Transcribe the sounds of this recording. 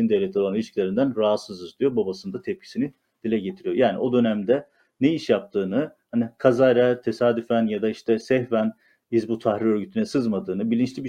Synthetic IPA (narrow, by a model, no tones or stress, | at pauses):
ind̪evlʲet̪ʰio̞lˠanilʲiʃclʲe̞ɾind̪ænɾaɦat̪sɯzɯzt̪yjobabasɯnd̪at̪ʰɛp̚cʰi̥sini | d̪̥ilʲɛɟet̪ʰiɾijojaːnḭo̞d̪ø̞næmd̪ɛ | neiʃjap̚t̪ʰɯːnɯhanikʰazajɾɛt̪ʰesaːd̪yfænjad̪aiʃt̪ʰɛsɛhvæn | izbut̪ʰahɾiø̞ɾɟyt̪ʰynɛsɯzmad̪ɯːnɯbilʲint͡ʃlʲibi